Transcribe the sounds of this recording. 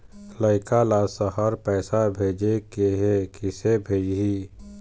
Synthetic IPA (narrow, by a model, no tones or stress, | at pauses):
ləɪkalasəhəɾpɛːsabʱeːd͡ʒekeɦekɪsebʱeːd͡ʒɦiː